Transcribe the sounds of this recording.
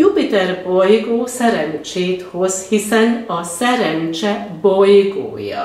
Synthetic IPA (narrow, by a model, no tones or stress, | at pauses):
jupit̪ɛrbojɡoːsɛɾɛnt͡ʃeːt̪ho̞zhisɛnɒsɛɾɛnt͡ʃɛbo̞jɡo̰ːjɒ̰